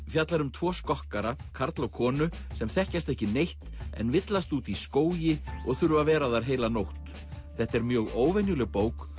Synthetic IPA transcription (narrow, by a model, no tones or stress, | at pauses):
fjat̪laɾʏmt̪ʰvɔːskɔhkaɾakʰaɾt̪lawkʰɔːnʏ | sɛmθɛhcast̪ɛhcɪnejht̪ɛ̰nvɪt̪last̪uːt̪iskoːwjɪɔɣθʏɾvavɛːɾaðaɾ̥ɦeːjlanowht̪ | θɛht̪ɛɾmjœːɣoːwvenjʏlɛɣpoːwk